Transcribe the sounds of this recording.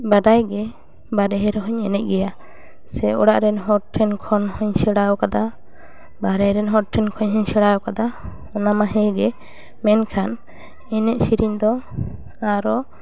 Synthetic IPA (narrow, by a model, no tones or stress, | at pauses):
baɖajɡɛ | baɾɛɦɛɾɛɦɔɲɛnɛʔ̚ɡɛja | sɛɔ̰ɽaʔɾɛnɦɔɾʈʰɛnkʰɔnhɔɲsɛɽaɔkad̪a | baɾɛɾɛnɦɔɾ̚ʈʰɛnkʰɔɲɦɔɲsɛɽaɔkad̪a | ɔnamaɦɛɡɛ | mɛnkʰan | ɛnɛʔ̚siɾiɲd̪ɔ | aɾɔ